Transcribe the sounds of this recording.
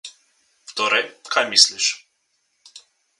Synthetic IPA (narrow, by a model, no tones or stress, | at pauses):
ft̪ɔɾɛjkʰajmisliʃ